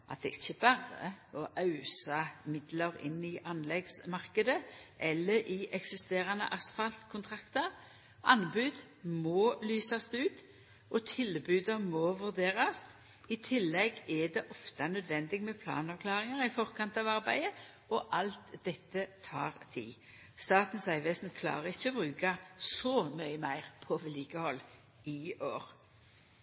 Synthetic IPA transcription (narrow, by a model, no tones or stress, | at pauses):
ʔɑt̪̚d̪ɛʔɪçːəbɑːɾə̰ɔʔɑʉsɑmɪd̪ləʁɪ̰nːɪʔɑnlɛɡsmɑʁkəd̪əʔɛlːəɾʔɪʔɛksɪst̪eːʁɑnə̰ʔɑsfɑlt̪kʰʊnt̪ʰʁɑkt̪əʁ | ʔɑnbʉːd̪ | moːlyːsɑsd̪ʉːt̪ | ʔɔt̪ʰɪlbʉːd̪əmoʋʉʁd̪eːʁɑs | ɪt̪ʰɪlːɛɡɛd̪ɛʔɔft̪ɑnœd̪ʋɛnd̪ɪɡmɛpʰlɑ̰ːnɑʋkʰlɑːʁɪŋəʁɪfɔʁkɑnt̪ɑʋɑʁbæ̰ɪə | ɔʔɑlt̪d̪ɛt̪ːət̪ʰɑːʁt̪ʰɪ̰l | st̪ɑːt̪n̩sæɪʋesnkʰlɑ̰ːʁəɪçːəɔbʁʉːkɑsɔmœʏəmæɪʁpʰɔʋɛliːkəhɔlː | ɪoːʁ